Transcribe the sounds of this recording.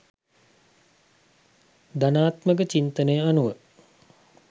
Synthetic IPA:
d̪anaːt̪mək̬ət͡ʃint̪ənəjəanuʋə

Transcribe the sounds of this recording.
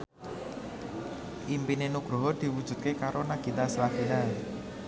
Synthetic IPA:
ʔimpinenuɡ̥ɾo̤ɦɔd̪̥i̤wud̥ʒ̥ṳt̪̚kekaɾonaɡ̥i̤t̪aslafina

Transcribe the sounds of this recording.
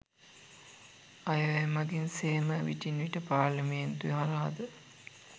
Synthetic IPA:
ajəʋemɐɡinseːməʋḭʈinʋiʈəpaːɾlɐment̪uiɦaɾɐɦad̪ə

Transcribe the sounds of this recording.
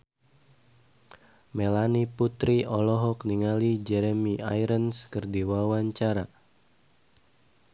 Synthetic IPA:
melaniput̪ɾiʔɔlɔɦɔk̚niŋalid͡ʒɛɾemia̰jɾənskərdiwawaɲt͡ʃaɾa

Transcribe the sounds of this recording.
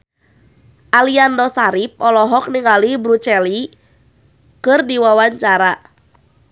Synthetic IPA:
ʔaliandɔsaɾip̚ɔlɔɦɔk̚niŋalibɾut͡ʃɛli | kɨrdiwawaɲt͡ʃaɾa

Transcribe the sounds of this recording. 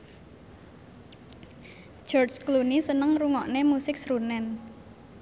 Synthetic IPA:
d͡ʒ̥ɔrsklunisənəŋruŋɔʔnemusɪk̚sɾunɛn

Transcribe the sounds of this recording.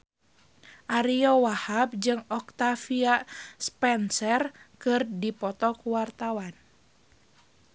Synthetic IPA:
ʔaɾiɔwahab̚d͡ʒɨŋɔk̚t̪afiaspɛnsɛrkɨrdipɔt̪ɔkuwart̪awan

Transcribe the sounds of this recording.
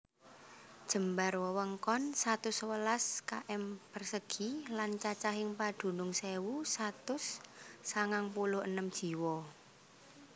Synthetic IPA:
d̥ʒ̥ə̤mbarwəwəŋkɔnsat̪ʊswəlaska̰ʔɛmpərsəɡ̥ilant͡ʃat͡ʃaɦɪŋpad̪̥ṳnʊŋsewusat̪ʊsːaŋaŋpulʊhənəmd̥ʒ̥i̤wɔ

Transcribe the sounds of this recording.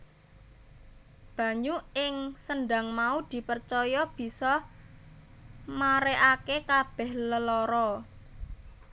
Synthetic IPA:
b̥ä̤ɲuɪŋsənɖaŋmaud̪̥i̤pərt͡ʃɔjɔb̥i̤sɔ | maɾeʔakekab̥ɛ̤hləlɔɾɔ

